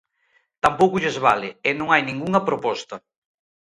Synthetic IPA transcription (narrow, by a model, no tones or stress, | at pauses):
t̪ampowkʊʎezβalɪenõŋajnĩŋɡuŋɐpɾopɔst̪ɐ